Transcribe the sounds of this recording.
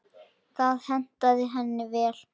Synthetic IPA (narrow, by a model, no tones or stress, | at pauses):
kʰvaːðhɛn̥t̪aðɪɦɛnːɪvɛːl̥